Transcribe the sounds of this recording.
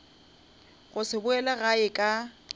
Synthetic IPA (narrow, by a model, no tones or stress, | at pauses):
ɣʊsɪbʊɛlaɣaɪkʼa